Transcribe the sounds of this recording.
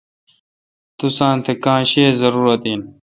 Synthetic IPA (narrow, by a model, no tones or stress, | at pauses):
t̪usãːnt̪ʰekãːɕeːzɐɾuːɾɐt̪iːn